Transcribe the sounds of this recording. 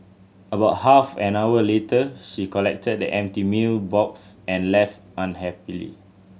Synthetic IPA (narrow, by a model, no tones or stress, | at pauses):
əbaʊt̚hafɛ̃nawəletəʃikɔlɛk̚tʰəd̚də̰ʔɛ̃mtimilbɔksɛ̃nlɛftʔãnɦɛpilḭ